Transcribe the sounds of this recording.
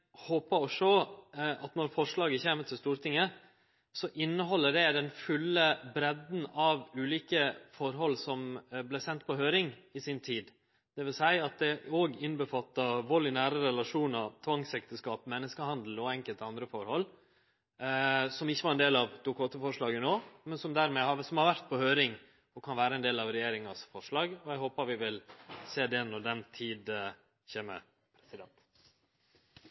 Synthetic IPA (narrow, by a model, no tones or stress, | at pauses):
hoːpəɔʂɔɑt̪nɔɾfɔɾʂɭɑːɡəçeːmət̪ʰɪlst̪uːɾt̪ʰɪŋːə | sɔʔɪnːəɦɔlːəɖɛd̪ɛnfʉlːəbɾɛd̪n̩ɑʋʉːliːkəfɔɾɦɔlːsɔmblæɪsɛnt̪pʰɔɦøːɾɪŋɪsɪnt̪ʰiːd̪ | d̪̥ɛʋɪlsæɪɑt̪̚d̪ɛoːɡɪnbəfɑt̪ːɑʋɔlːɪnæːɾəɾɛlɑʂuːnəɾt̪ʰʋɑŋsɛkt̪əskɑːpmɛnːəskəhɑnd̪l̩ɔɛŋkəlt̪ɑnd̪ɾəfɔɾhɔlː | sɔmɪçːəʋɑɾɛnd̪eːlɑʋd̪̥ʊkʰɑːt̪əfɔʂɭɑːɡənoːmɛnsɔmd̪æːɾmɛhɑsɔmhɑɾʋæɾt̪̚pʰɔhøːɾɪŋ | ɔkʰɑnʋæːɾəɛnd̪eːlɑʋɾɛjeːɾɪŋɑsfɔʂɭɑːɡɔæɡɦoːpɑɾʋɪʋɪlseːd̪ɛnɔɖɛnt̪ʰiːd̪ | çeːmə̰ | pʰɾɛsɪd̪ɛnt̪